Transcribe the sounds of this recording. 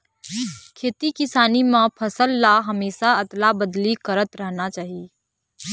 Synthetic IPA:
kʰeːt̪ikɪsaːnimãpʰɐsəlːaɦɐmeːʃaɐt̪labəd̪likɐɾət̪ɾəɦnat͡ʃaːɦieː

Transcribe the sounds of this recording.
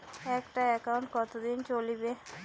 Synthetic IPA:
ɛkʈaɛkawɳʈkɔt̪od̪int͡ɕolibe

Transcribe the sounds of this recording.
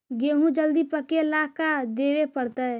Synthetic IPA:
ɡeɦũd͡ʒəld̪ipəkelakad̪ewepəɽt̪ə

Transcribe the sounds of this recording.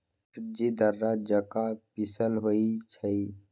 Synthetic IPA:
d͡ʒid̪əɾːad͡ʒəkapisəlɦoit͡ʃʰəi

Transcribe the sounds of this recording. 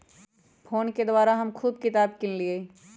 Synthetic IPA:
pʰoːnked̪ʊwaːɾaɦɐmkʰuːbkɪt̪aːb̚kɪllie

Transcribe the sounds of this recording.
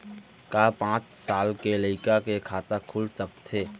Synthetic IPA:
kapãːt͡ʃsaːlkeləɪkakekʰaːt̪akʰulsək̚t̪ʰeː

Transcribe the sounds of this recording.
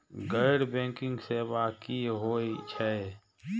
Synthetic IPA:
ɡəɪɽbɛ̃ːŋkɪ̃ŋɡsebaːkiɦoːit͡ʃʰɛ

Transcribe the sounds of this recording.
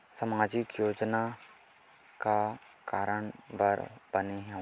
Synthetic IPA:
səmaːd͡ʒɪkjoːd͡ʒna | ka | kaːɾəɳ̃bəɾb̥ɐneɦɛ̃

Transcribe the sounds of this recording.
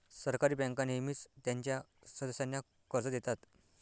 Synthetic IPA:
səɾkaɾiːbɛ̃ŋkanemiːt͡st̪jãɲt͡ɕjasəd̪əɕanja | kəɾd͡zəd̪et̪at̪

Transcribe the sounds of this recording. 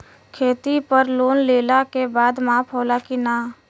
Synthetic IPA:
kʰeːt̪ipəɾloːnleːlakebaːd̪maːpʰoːlakinaː

